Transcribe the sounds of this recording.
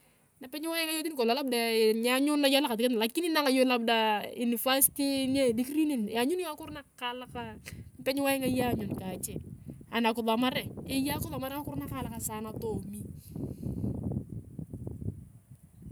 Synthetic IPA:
na˨pɛ˦ɲ˦wa˦jɪ˦ŋa˦jo˦t̬i˦n˦kɔ˨la˨la˦b̚da˨ɲa˦ɲʊ˦na˦ja˦la˦ka˨tɪ˨kɛ˦tn˨la˨kːi˦ni˦na˦ŋa˨jo˦la˦b̚da˦ju˨ni˨fa˦si̥ti˦n˦a˦˨di˦kɾi˦ne˦˨nja˨ɲʊ˦n˦a˦kʊ˦ɾna˦ka˦la˦ka˦n˦pɛ˦ɲ˦wa˦jɪ˦ŋa˦ja˦ɲʊ˨nka˨t͡ʃɛ˦a˨na˨kʊ˨ða˨ma˦ɾɛ˨ɪ˦ja˦kʊ˦ða˨ma˦ɾɛ˦a˦kʊ˦ɾna˦ka˦la˦ka˨saː˨na˨to˨mi˦

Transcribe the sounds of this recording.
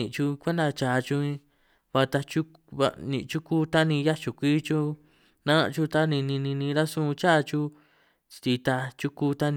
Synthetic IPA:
ḭ̃˧ʔt͡ʃu˧kʷe˦nd̪a˧t͡ʃa˧t͡ʃu˧ĩ˧ | βa˧t̪a˧t͡ʃu˦ | βa̰˧nḭ̃˧ʔt͡ʃu˦kuː˦t̪a˦nĩ˧ja˦t͡ʃu˨kʷi˦t͡ʃu˦ | nã˦˧t͡ʃu˧t̪a˦nĩ˧nĩ˧nĩ˧nĩ˧ɾa˦sũ˦˧t͡ʃa˦˧t͡ʃu˦ | t͡ʃt̪i˧t̪a˧t͡ʃu˦ku˦˧t̪a˦ñ˧

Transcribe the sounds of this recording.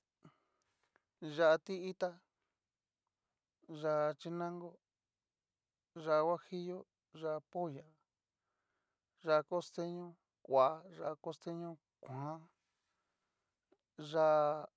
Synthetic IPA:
ʒa˧ʔt̪i˦i˦t̪a˦ | ʒa˧t͡ʃi˧nã˦ŋɡo˦ | ʒa˧˨˧wʷa˦hi˦jo˦ | ʒa˧po˦ja˨ | ʒa˧ko˦st̪e˦ɲõ˦ | kʷa˨˦ʐa˧ko˦st̪e˦ɲõ˦ | kʷã˨˦ | ʐa˧

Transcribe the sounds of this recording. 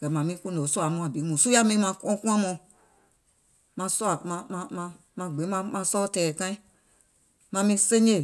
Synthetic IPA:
ɡ̥ɛ˨mã˨mĩ˦kũ˦no˨˦su˦a˨˦mɔ̃˧˨a˨bi˨˦mũ˨su˦ja˦mĩ˧˦mã˧kɔ̃˦kũ˦ã˦mɔ̃˧ | mã˧sɔ˦a˨mã˧mã˧mã˧ | mã˧ɡ͡be˨˦mã˧mã˧sɔ˦tɛː˨kã˦ĩ˦ | mã˧mĩ˧˦sẽ˦ɲe˦˨

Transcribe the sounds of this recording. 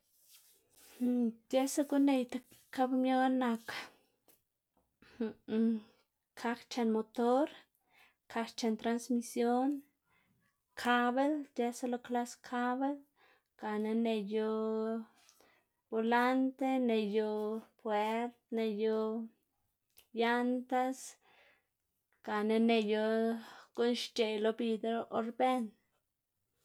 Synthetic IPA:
h̩˨d͡ʒe˦sa˦ku˦ne˧jt̪a˧ka˦bmjo˦na˧ka | h | kʰa˧kt͡ʃa˧nmo˧t̪o˦ɾ | kʰa˧kt͡ʃa˧nt̪ɾa˧nsmi˧sjo˦n | kʰa˧βe˦ld͡ʒe˧sa˦˧lo˧kla˦skʰa˦βe˦l | ka˨ne˧ne˧jo˧ | b̥o˧la˦nt̪e˦ne˧jo˧pwe˦ɾt̪ne˧jo˧ | ja˦nt̪a˦s | ka˨ne˧ne˧jo˧ko˦nʃt͡ʃe˨lo˧bi˧d̪ɾo˦ʔo˧ɾbe˦n

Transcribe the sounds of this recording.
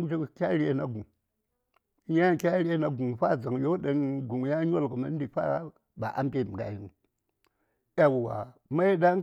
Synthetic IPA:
u˦t͡ʃe˦kkʲa˦ɾʲi˦e˦na˨ɡu˨ŋ˦ | ja˦˨kʲa˦ɾi˦e˦na˨ɡu˨ŋɸa˦˨d͡za˨ŋjo˦ɗa˨nɡu˨ŋ˨ja˦ɲ˦o˦lko˨ma˦n˦di˨fa̰˦ | ba̰˨ʔa̰˦m˦pe˦˨m˨ɡa̰˨ji˦nu˨ | a˨wwa̰˨ma˦i˦ɗa˦

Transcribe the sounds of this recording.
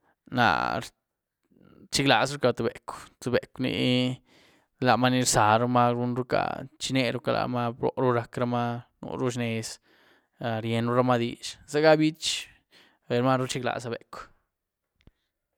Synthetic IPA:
na̰˨ɾ | t͡ʃi˦kla̰˨sɾu˦ka˧t̪u˨be˨kʷt̪u˨be˨knḭ˧ | la˨ma˦ni˧ɾsa˨ɾu˦ma˦ɾu˦nɾu˦ka̰˨t͡ʃi˧ne˧ɾu˦ka˧lʔa̰˨ma˦bɾo̰˨ɾu˦ɾa˧kɾa˧ma˦nṵ˨˧ɾu˦ʃ̬ne˧s | ɾje˧nɾu˦ɾa˧ma˦d̪i˧ʃza˦ɡa˦bi˦t͡ʃ | be˨ɾma˦ɾu˦t͡ʃi˦kla̰˨sa˧bḛ˨kʷ

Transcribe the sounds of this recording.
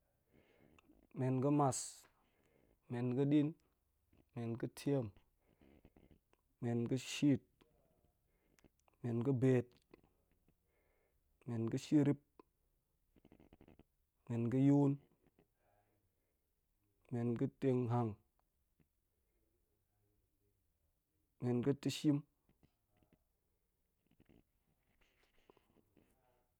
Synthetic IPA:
me˨nkə˦ma˨s | me˨nki˦ɗi˦n | me˨nkə˦tʰi˦e˦˨m | me˨nkə˦ʃi˦˨t̚ | me˨nkə˦be˨t | me˨nkə˦ʃi˦ɾi˦p̚ | me˨nɡi˦ju˦n | me˨nki˦te˧ŋɦa˨ŋ | me˨nkə˦ti˦ʃi˦m

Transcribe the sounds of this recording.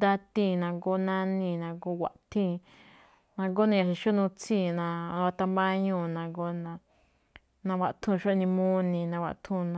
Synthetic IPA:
d̪a˦˧t̪ĩ˧˨nã˧ɡo˧nã˧nĩ˧˨nã˧ɡo˧˦wʷa̰˧˨ʔt̪ʰĩ˦˧ | nã˧ɡo˦nã˧a˧˨ʃi˧ʃo˦nũ˧t͡sĩ˦˧˨nã˧nã˧wa˧t̪a˧mbã˦ɲũː˦˧˨nã˧ɡo˧nã˧ | nã˧wa˧ʔt̪ʰũ˧ʃo˦ʔnĩ˧mũ˦nĩ˧nã˧wa̰˧˨t̪ʰũ˧nã˧

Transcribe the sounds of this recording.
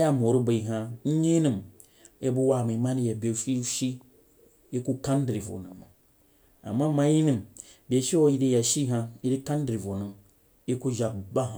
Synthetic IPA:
a˦ja˦m˨o˨ɾu˦ba˨i˨ɦa˨˦ɲi˦ni˨m | e˦bu˦wa˨ma˨˦ma˦ni˦ja˨be˨ʃi˦ʃi˦ | e˦ku˦ka˦n˦di˨vo̰˨nɨ˨ma˨ | a̰˨mːa˦ma˨˦ji˦ni˨m | bʲe˨˦ʃi˦wo˦i˦di˦ja˨ʃi˦ɦa˧i˦di˦ka˦n˦dɾi˨vo˨nu˨ | e˦ku˦ʒa˨bba˦ɦa˨

